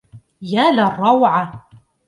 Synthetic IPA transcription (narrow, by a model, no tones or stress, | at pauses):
jaːlarˤːɑwʕa